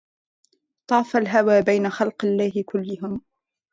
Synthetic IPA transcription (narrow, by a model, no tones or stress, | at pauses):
t̪ˤɑːfalɦawaːbajnaxɑlqɪlːaːhɪkʊlːʊɦʊm